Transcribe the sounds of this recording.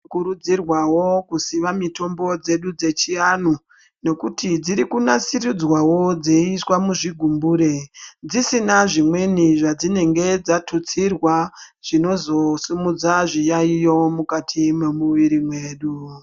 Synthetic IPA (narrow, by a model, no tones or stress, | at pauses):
kuɾud͡zirwawo̞kusiʋamito̞mbo̞d͡ze̞ɗud͡ze̞t͡ʃianu | ne̞kutid͡ziɾikunasirud͡zwawo̞d͡zeiswamuʐiɡʱumbuɾe̞d͡zisinaʐimwe̞niʐad͡zine̞ŋɡe̞d͡zatʰut͡sirwaʐ̥ino̞zo̞sumud͡zaʐijaijo̞mukatʰimwe̞muʋiɾimwe̞ːɗu